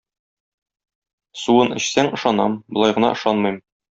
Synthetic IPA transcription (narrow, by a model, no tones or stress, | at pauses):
suɤnɘ̆ɕsæŋɤ̆ʃɑnɑmbŏlˠɑjʁɤ̆nɑ̰ʔɤ̆ʃɑnmɤjm